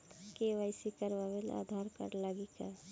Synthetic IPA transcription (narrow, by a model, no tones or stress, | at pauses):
keʋaɪsikəɾʋaʋela̰d̪ʱaɾkə̰ɾlaɡika